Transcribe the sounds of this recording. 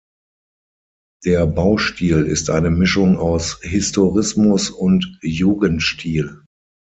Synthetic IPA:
d̥eːɐbaʊʃtʰiːlɪ̰stʔa̰ɪnəmɪʃʊŋaʊshɪstoʁɪsmʊsʊntjuːɡəntʃtʰiːl

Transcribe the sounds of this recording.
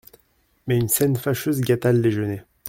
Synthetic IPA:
mɛynsɛnfaʃøzɡʲat̪ald̪eʒəne

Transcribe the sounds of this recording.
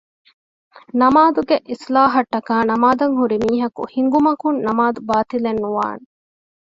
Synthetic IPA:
nɐmaːd̪uɡeʔislaːɦɐʈːɐkaːnɐmaːd̪ɐŋɦuɾimiːɦɐkṵhiŋɡumɐkunnɐmaːd̪ubaːt̪ilenːuʋa̰ːne

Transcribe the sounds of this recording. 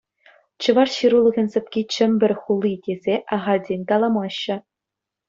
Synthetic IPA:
t͡ɕɤ̆ʋɑrɕiɾulˠɤ̆ɣʲɤ̆nʲsʲɘ̆pʲkʲit͡ɕɘ̆mʲbʲɘ̆rʲχulˠːitʲezʲeʔɑʁɑdʲenʲt̪ɑlˠɑmɑɕːɘ̆

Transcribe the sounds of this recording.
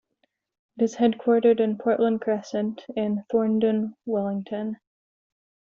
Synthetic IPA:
ɪɾɨz̥hɛd̚kʰw̥ɔɹɾə˞ɾɨ̃npʰɔɹʔlə̃nkʰɹ̥ɛsɨ̃ntʰɪ̃nθɔɹndɨ̃nwɛlˠɪ̃ŋtʰɨ̃n

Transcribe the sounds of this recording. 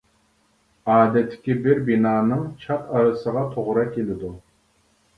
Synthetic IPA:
ɑːd̪ɛt̪ʰːɪ̥kʲibɪɾbinɑːnɨŋt͡ʃʰɑt̪ɑɾɨsəʁɑt̪ʰoʁɾɑkʲʰelɪd̪u

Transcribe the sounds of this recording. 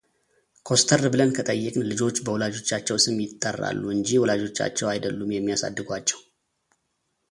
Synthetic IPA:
kʰo̞st̪ʰəɾbɨlənkʰət̪ʼəjːɪkʼlɨd͡ʒo̞t͡ʃːbəwɔlad͡ʒo̞t͡ʃːat͡ʃːɛwsɨmjɪt̪ʼːərːa̰lːuɨɲd͡ʒiwɔlad͡ʒo̞t͡ʃːa̰t͡ʃːɛwajd̪əlːumjɛmːijasa̰d̪ːɨɡʷat͡ʃːɛw

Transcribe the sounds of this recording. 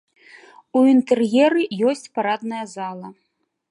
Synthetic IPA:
uint̪ɛrjɛɾɨjɔsʲt͡sʲpaɾad̪nɐjɐzalˠɐ

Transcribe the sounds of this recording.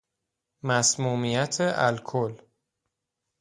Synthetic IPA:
mæsmuːmijæt̪ʰeʔælkʰol

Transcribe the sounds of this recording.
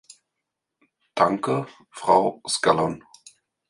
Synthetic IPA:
d̥aŋkə | fʁ̥aʊskalɔn

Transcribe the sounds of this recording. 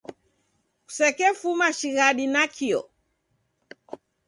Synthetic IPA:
ku̥sɛkɛfumaʃiɣaɗinakʰiɔ̰

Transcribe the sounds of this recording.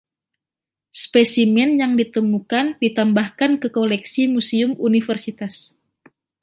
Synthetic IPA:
spesimɛnjaŋdit̪əmukandit̪ambahkankəkolɛksimusiʊmunifərsit̪as

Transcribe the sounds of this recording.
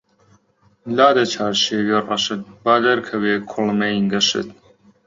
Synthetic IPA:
laːd̪ɐt͡ʃʰaːɾʃeːwerɐ̰ʃɨt̪̚baːd̪ɐɾkʰɐweːkʰʊlmɐjiŋɡɐʃɨ̰t̪̚

